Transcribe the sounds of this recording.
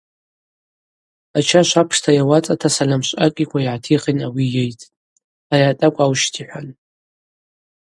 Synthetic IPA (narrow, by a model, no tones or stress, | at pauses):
at͡ʃʰaʃʷapʰʂtʰajawat͡sʼatʰasalamʃʷʼakʲʼikʷʰaiʕatʰiχenawijejtʼ | ariatʼakʷʼawʃtʰiħʷᶣan